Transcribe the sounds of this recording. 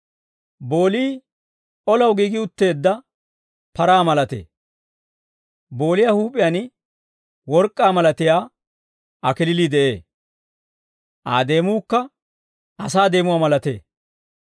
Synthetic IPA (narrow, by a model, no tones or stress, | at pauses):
boːliː | ʔɔlɐwɡiːɡɪʊt̪ːe̞ːd̪ːɐ | pɐɾaːmɐlɐt̪ḛː | bo̞ːlɪjaːhuːpʼːɪjan | wɔɾkʼːaːmɐlɐt̪ɪjaː | ɐkɪlɪliːd̪ɛʔe̞ː | ʔa̰ːd̪e̞ːmuːkːɐ | ɐsaːd̪e̞ːmʊwaːmɐlɐt̪ḛː